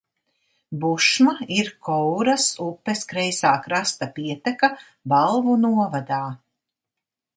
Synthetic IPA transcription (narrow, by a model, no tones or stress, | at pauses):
buʃmaiɾkɔwɾasupːeskɾɛjsaːkɾast̪apiɛt̪ɛka | balˠvunuɔvad̪aː